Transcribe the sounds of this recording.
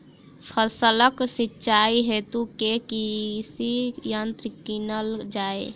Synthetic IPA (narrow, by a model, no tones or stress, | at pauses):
pʰəsələksitːʃaiɦet̪ukekisijant̪ɾɪkinəld͡ʒaːe